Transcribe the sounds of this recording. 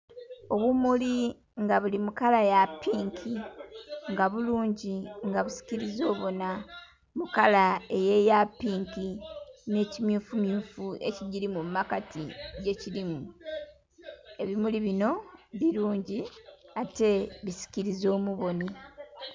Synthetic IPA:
o̞βumuli | ŋɡaβulimukalajapːiːŋkʰi | ŋɡaβuluːɲɟiŋɡaβusi̥ciɾizo̞ːβo̞na | mukalae̞je̞japːiːŋkine̞ːcimjuːfumjuːfue̞̰ciɟiɾimummakatʰiɟe̞ciɾimu | e̞βimuliβino̞βiɾuːɲɟiate̞βisi̥ciɾizo̞ːmuβo̞ni

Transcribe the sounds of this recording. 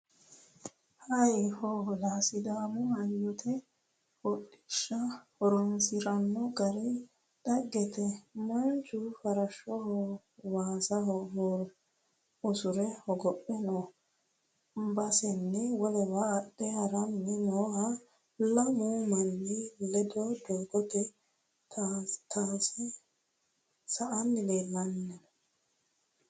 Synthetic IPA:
hɐjhɔlaːsɪd̪aːmʊhɐjːɔt̪ʰɛ | hɔɗɪ̥ʃːɐhɔɾɔnsɪɾɐnːɔɡɐɾɪ | d̪̥ɐɡɛt̪ɛmɐnt͡ʃʊfɐɾɐʃɔhɔ | waːsɐɦɔɦoɾ | ʊsʊɾɛhɔɡɔpʼːɛno | bɐsɛnːɛwɔlɛbɐːɗɛhɐɾɐnːɪnoːhɐ | lɐmumɐnːɪlɛd̪ɔd̪oːɡɔt̪ɛ | tat̪ʰaːsɛ | sɐʔɐnːɪleːlːɐnːɛɔ

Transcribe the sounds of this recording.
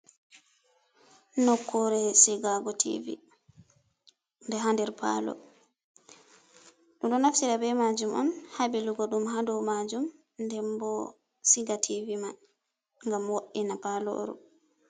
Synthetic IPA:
nɔkʰːɔɾɛsiɡaɡɔtʰḭvḭ | ndɛɦandɛɾpʰa̰lɔ̰ | ɗumɗɔnaftiɗabɛmad͡ʒumʔɔ̰nhabiluɡɔɗumɦadɔwmad͡ʒum | ndɛmbɔ | siɡatʰivima | ŋɡamwoʔinapalɔ̰ɾṵ

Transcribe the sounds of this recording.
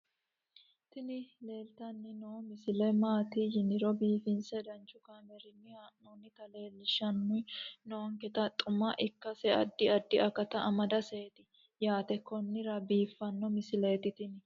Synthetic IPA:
t̪ɪnɪle̞ːlt̪ɐnːɪnomɪsɪlɛmaːt̪ɪjɪnɪɾɔbiːfɪnsɛd̪ɐnt͡ʃːʊkaːmɛɾɪnːɪanonɪt̪ɐle̞ːlːɪʃɐnːʊjnoŋkɛt̪ɐt̪ʼʊmɐʔɪkːɐsɛɐ̰d̪ːɪɐd̪ːɪɐkɐt̪ɐʔɐmɐd̪ɐseːt̪ɪ | jaːt̪ɛkɔnːɪɾɐbiːfːɐnːɔmɪsɪleːt̪ɪt̪ɪnɪ

